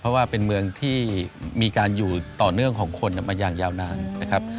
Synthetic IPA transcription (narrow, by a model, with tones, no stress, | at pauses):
pʰɾɔ˦˥waː˥˩pe˧nmɯ˧əŋt̪ʰiː˥˩miː˧kaː˧njuː˨˩t̪ɔː˨˩nɯ˥˩əŋkʰɔː˩˦ŋkʰo˧nː˥˩maː˧jaː˨˩ŋjaː˧wnaː˧nna˦˥kʰa˦˥p̚